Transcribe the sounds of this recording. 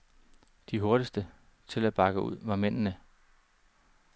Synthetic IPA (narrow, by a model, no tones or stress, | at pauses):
d̥iɦo̝ɐɾ̥isd̥ə | t͡sʰe̝læb̥ɑ̈ɡ̥əʔṵð̞̰ˠʋɑ̈men̰nə